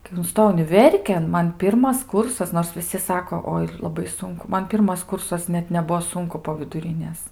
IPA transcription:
kɐɪ ʊnˈstoːjɛʊ ʊnʲɪˈʋʲɛrʲkʲeːn ˈmɐn ˈpʲɪrmɐs ˈkʊrsɐs noːrs ʋʲɪˈsʲɪ ˈsɑːkoː ˈoːɪ lˠɐˈbɐɪ ˈsʊŋkʊ ˈmɐn ˈpʲɪrmɐs ˈkʊrsɐs ˈnʲɛt nʲɛˈbʊʋoː ˈsʊŋkʊ poː ʋʲɪdʊˈrʲɪnʲeːs

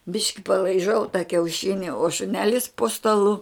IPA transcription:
ˈbʲɪʃʲkʲɪ pɐlˠɐɪˈʒɐʊ tɐ kʲɛʊˈʃʲɪnʲɪ oː ʃʊˈnʲæːlʲɪs poː stɐˈlˠʊ

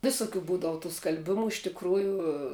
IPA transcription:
ˈʋʲɪsʊˌkʲuː ˈbuːdɐw tuː skɐlʲˈbʲɪmʊ ɪʃ tʲɪkˈruːjʊ

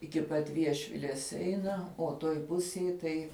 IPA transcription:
ɪkʲɪ ˈpɐt ˈʋʲiɛʃʲʋʲɪlʲeːs ˈɛɪnɐ oː ˈtoːj ˈpʊsʲeːj tɐɪ

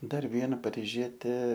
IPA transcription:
ˈdɐr ˈʋʲiɛnɐ pɐrʲɪˈʒʲiɛtʲeː

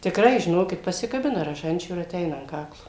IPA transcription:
tʲɪkˈrɐɪ ʒʲɪˈnoːkʲɪt pɐsʲɪkɐˈbʲɪnɐ rɐˈʒɐnʲt͡ʃʲuː ɪr ɐˈtʲɛɪnɐ ɐn ˈkɑːklˠoː

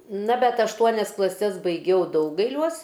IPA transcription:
nɐ bʲɛt ɐʃˈtuɔnʲɛs klˠɐˈsʲɛs bɐɪˈɡʲɛʊ ˈdɐʊɡɐɪlʲuɔs

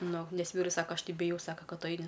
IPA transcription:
ˈnʊ ˈnʲɛs ˈʋʲiːrʊs ˈsɑːkɐ ˈɐʃ ˈtɐɪ bʲɪˈjɛʊ ˈsɑːkɐ ˈkɐt ˈtʊ ˈɐɪnʲɪ

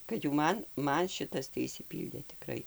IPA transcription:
kɐt jɛʊ ˈmɐn ˈmɐn ˈʃʲɪtɐs tɐɪ ɪʃʲsʲɪˈpʲiːlʲdʲeː tʲɪˈkrɐɪ

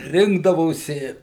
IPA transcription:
ˈrʲɪŋɡdɐʋoːsʲɪ

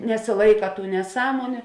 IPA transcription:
nʲɛsʲɪˈlˠɐɪkɐ tuː nʲɛˈsɑːmoːnʲʊ

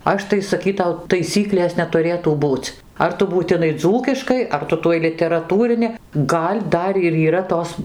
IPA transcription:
ˈɐʃ tɐɪ sɐˈkʲiːtɐʊ tɐɪˈsʲiːklʲeːs nʲɛtʊˈrʲeːtuː ˈbuːt͡s ˈɐr tʊ buːtʲɪˈnɐɪ ˈd͡zuːkʲɪʃkɐɪ ˈɐr ˈtʊ tuɔj lʲɪtʲɛrɐˈtuːrʲɪnʲɪ ˈɡɐlʲ ˈdɐr ɪr iːˈrɐ ˈtoːs

